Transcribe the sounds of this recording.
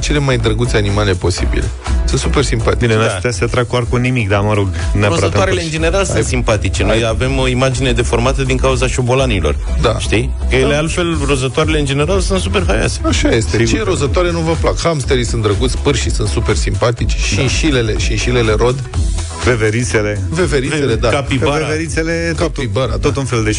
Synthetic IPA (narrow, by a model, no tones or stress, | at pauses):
t͡ʃe̞le̞majd̪ɾəɡut̪seanimale̞po̞sibḭle̞̰ | sɨnt̪supe̞rsimpat̪ienast̪ɛaseat̪ɾaɡ̚k̪oarkunimik̚d̪anuməɾoɡneaɾozzət̪oaɾeleɨnd͡ʒe̞ne̞ɾalsɨsimpat̪it͡ʃe̞nojjave̞moimad͡ʒine̞d̪e̞fo̞rmat̪əd̪iŋkauzaʃo̞bo̞lanilo̞̰rd̪aʃt̪ij | jelealfe̞l | ro̞zət̪oaɾeleɨnd͡ʒe̞ne̞ɾalsunt̪supe̞rɦaja̰se̥aʃajest̪et͡ʃeɾozət̪oaɾenuvəplakhamst̪eɾisund̪ɾəɡut̪sʲpɨrʃisunt̪supe̞rsimpat̪it͡ʃʃiʃileleʃiʃile̞le̞ɾo̞d̪ | veveɾit̪sele̞ | veveɾieled̪akapibaeveɾit̪sele̞kaibaɾa̰t̪ot̪unfe̞ld̪e